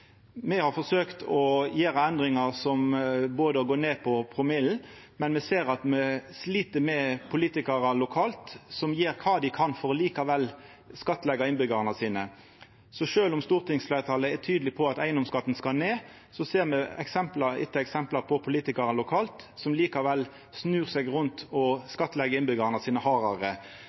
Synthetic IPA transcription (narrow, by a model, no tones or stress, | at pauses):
mɛhɑʁfɔsøːkt̪ʰɔjeːɾəɛnd̪ɾɪŋɑʁsɔmboːd̪əɔɡoːneːpʰɔpʰʁʊmɪl̩ | mɛnmɛseːɾɑt̪mɛsliːt̪əmɛpʰʊliːt̪ɪkɑɾɑlʊkʰɑːlt̪sɔmjiːɾkʰɑːd̪ɪkʰɑnfɔʁɔliːkɑʋɛl | skɑt̪ːlɛɡɑɪnbʏɡɑʁənəsiːnə | sɔʃøːlʊmst̪uːʁt̪ʰɪŋsflæɪʁt̪ʰɑləɛt̪ʰyːd̪lɪpʰɔɑt̪æɪənd̪ɔmskɑt̪ːn̩skɑneː | sɔseːʁmɛɛ̰ksɛmplɑɪ̰t̪ːəɛksɛmplɑpʰɔpʰʊliːt̪ɪkɑɾɑnlʊkʰɑːlt̪sɔmliːkɑʋɛlː | snʉːʁsɛɡʁʊnt̪ɔskɑt̪ːlɛɡəɪnbʏɡɑʁnɑsiːnəhɑːʁɑʁə